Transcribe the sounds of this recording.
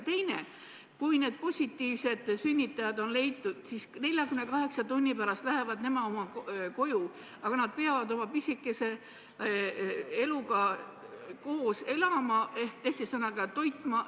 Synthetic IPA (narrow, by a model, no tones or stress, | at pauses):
t̪e̞jne̞ | kujne̞ːd̪̚po̞sʲit̪ːiːvse̞d̪̥synʲːit̪ːˑɑjɑd̪̥o̞nle̞jt̪ːˑud̪̥siːsne̞lʲjɑkymnekɑɦe̞ksɑt̪unʲːipæɾɑst̪læɦe̞vɑd̪ne̞mɑo̞mɑko̞ju | ɑɡ̥ɑnɑd̪̥̚pe̞ɑvɑd̪o̞mɑpisʲikːˑese̞ | e̞luɡɑ | ko̞ːse̞lɑmɑʔe̞hk̚t̪e̞ht̪isɑnːɑɡ̥ɑt̪o̞jt̪ːˑmɑ